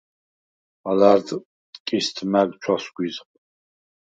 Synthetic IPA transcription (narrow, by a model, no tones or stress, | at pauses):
alaɾd̪ | kʼist̪ʰmæɡt͡ʃʰɔsɡʷwizqʼ